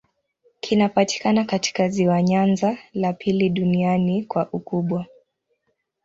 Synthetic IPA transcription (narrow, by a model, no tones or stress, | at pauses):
kʰinapati̥kanakati̥kaziwaɲanzalapʰiliɗunianikwaʔukuɓwa